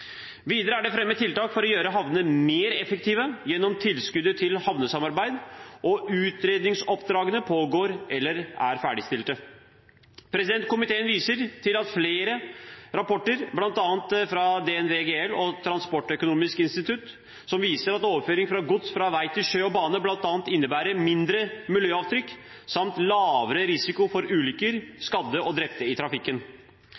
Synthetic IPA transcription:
ʋiːd̪əɾəæɖɛfɾɛmːət̪ʰɪlt̪ɑːkfɔɾɔjøːɾəɦɑʋnəmeːɾɛfəkt̪iːʋəjɛnːɔmt̪ʰɪlskʉd̪ət̪ʰɪlhɑʋnəsɑmɑɾbæɪd̪ʔɔʔʉːt̪ɾeːd̪nɪŋsɔpd̪ɾɑːɡənəpʰoːɡoːɾʔɛlːəɾæ̰ɾfæ̰ːɖɪst̪ɪlt̪ə | pʰɾɛsɪd̪ɛnt̪̚kʰʊmɪt̪ʰeːənʋiːsəɾt̪ʰɪlɑt̪fleːɾəɾɑpɔʈːəɾblɑnt̪ɑːənt̪fɾɑd̪ɛɛnʋeːɡeːɛlɔt̪ʰɾɑnspɔʈːœkʊnuːmɪskɪnst̪ɪt̪ʰʉt̪ | sɔmʋiːsəɾɑt̪oːʋəɾføːɾɪŋfɾɑɡʊt̪sfɾɑʋæɪt̪ʰɪlʃøːɔbɑːnəblɑnt̪ɑːnt̪ɪnːəbæːɾəɾmɪnd̪ɾəmɪljøːɑːʋt̪ʰɾʏkː | sɑmt̪lɑːʋəɾəɾɪsɪkʊfɔɾʉːlʏkəɾskɑd̪ːəɔd̪ɾɛp̚t̪ːəɪt̪ʰɾɑfɪkːən

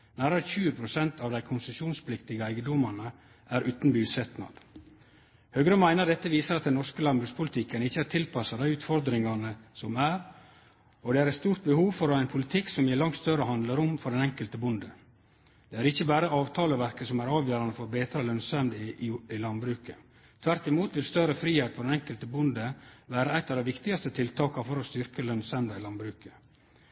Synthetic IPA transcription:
næːɾəɾçʉːəpʰɾʊsɛnt̪ʰɑːʋd̪æɪkʰʊnsəsuːnspʰlɪkt̪ɪɡəæɪɡəd̪ɔmɑnə | ʔæːɾʔʉːt̪n̩byːsɛt̪nɑ̰d̪̥ | høːɡɾəmæɪnəd̪ɛt̪ːəʋiːsəɾɑt̪̚d̪ɛnɔɾskəlɑnbɾʉːkspʰʊlɪt̪ʰɪkənɪçːəæːɾʈʰɪlpʰɑsəd̪æɪʉːt̪fɔɾd̪ɾɪŋɑnəsɔmæːɾ | ɔd̪ɛæɾɛt̪st̪uːɾt̪̚bəhuːʋfɔɾɔæɪnpʰʊlɪt̪ʰɪksɔmjeːɭɑŋt̪st̪œɾəɦɑnd̪ləɾʊmfɔɾɖɛnɛŋkəlt̪əbʊnd̪ə | d̪̥ɛæɾɪçːəbæːɾəɑːʋt̪ʰɑːləʋæɾkəsɔmæɾɑːʋjøːɾɑnəfɔɾbeːt̪ɾɑlœnsɛmd̪ɪlɑnbɾʉːkə | t̪ʰʋæɾt̪ɪmuːt̪ʋɪlst̪œɾəfɾiːheːt̪̚pʰɔd̪ɛnɛŋkəlt̪əbʊnd̪əʋæːɾəæɪt̪ɑd̪ɛʋɪkt̪ɪɡɑst̪ət̪ʰɪlt̪ʰɑːkɑfɔɾɔst̪ʏɾkəlœnsɛmd̪ɑɪlɑnbɾʉːkə

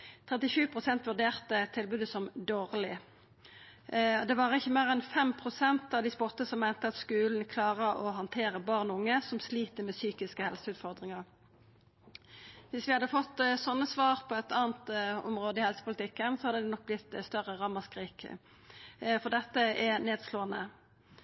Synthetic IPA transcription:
t̪ʰʁɛt̪ɪʃʉːpʰʁʊsɛnt̪ʋʉʁɖ̪eːʁt̪ət̪ʰːɪlbʉːd̪əsɔmd̪oːʁlɪ | d̪ɛʋɑʁɪçːəmeːʁɛnfɛmpʰʁʊsɛnt̪ɑʋd̪ɪspɔt̪ːəsɔmːæɪnt̪əɑt̪skʉːln̩kʰlɑːʁəɔɦɑnt̪ʰeːʁəbɑʁnɔʊŋːəsɔmsliːt̪əmɛsyːkɪskəhɛlsəʉːt̪fɔʁd̪ʁɪŋɑʁ | ʋɪsʋɪhɑd̪ːəfɔt̪ːsɔnːəsʋɑːʁpʰɔɛt̪ɑːnt̪ɔ̰mʁoːd̪əɪhɛlsəpʊlɪt̪ʰɪkːənsɔhɑd̪əd̪ɛnɔk̚blɪt̪ːst̪œʁəʁɑmɑskʁiːk | fɔd̪ɛt̪ːəɛneːd̪sloːənə

